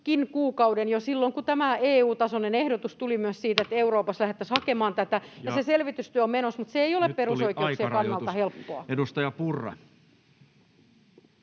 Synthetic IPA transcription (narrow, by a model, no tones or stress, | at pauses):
kinkuːkɑudenjosilːoŋkut̪æmæeːuːt̪ɑsonenehdot̪ust̪ulimyøssiːt̪et̪euroːpɑslæhet̪ːæshɑkemɑːnt̪æt̪æjɑseselʋit̪yst̪yøæommenosmut̪seeijolepperussoikeuksieɑkɑnnːɑlt̪ɑhelpːoɑedust̪ɑjɑpurːɑ̰